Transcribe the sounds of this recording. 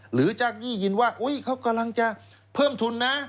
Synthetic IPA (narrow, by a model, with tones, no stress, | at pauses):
ɾɯː˩˦t͡ɕa˨˩k̚jiː˥˩ji˧nwaː˥˩ʔu˦˥jkʰa˦˥wka˧mla˧ŋt͡ɕa˧ | pʰɤː˥˩mt̪ʰu˧nːa˦˥